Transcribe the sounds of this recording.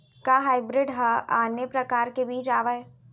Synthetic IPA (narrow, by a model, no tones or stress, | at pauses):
kaɦaːɪbɾɪɖɦɐaːnjəpɾɐkaːɾkebiːt͡ʃaːʋae